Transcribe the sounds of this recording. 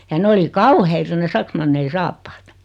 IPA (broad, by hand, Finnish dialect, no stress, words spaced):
jɑ ne oli kɑuheitɑ ne sɑksmɑnːei sɑːpːɑːt